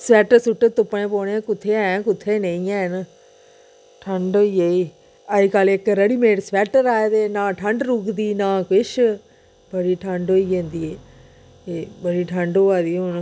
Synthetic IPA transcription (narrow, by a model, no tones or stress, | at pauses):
sʋɛːʈəsʊʈːət̪ʊpːɳẽːpoːnẽkʊt̪ʰːeːɛ̃ːkʊt̪ʰːeːnẽĩɛ̃ːn | ʈʰəɳɖoːiːeiː | əikalekɾəɽiːmeːɽsʋɛːʈəɾaːed̪eːnãːʈʰəɳɖɾuːkd̪iːnãːkɪʃ | bəɽiːʈʰəɳɖoːiːɦẽːnd̪iːeː | eːbəɽiːʈʰəɳɖoːaːd̪iːʊn